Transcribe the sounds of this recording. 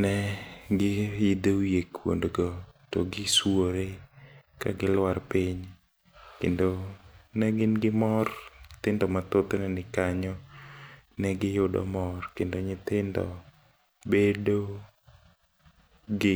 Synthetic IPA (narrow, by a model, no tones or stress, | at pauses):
nɛɡɪɪd̪ejekwo̰ndɡɔto̰ɡɪswoɾekaɡɪlwarpiɲ | kḛndonɛɡɪnɡɪmɔrt̪ɪndɔmat̪ot̪onɛnɪkaɲɔ | nɛɡɪjʊdɔ̰mɔrkendoɲɪt̪ɪndɔ̰ | bedo | ɡɪ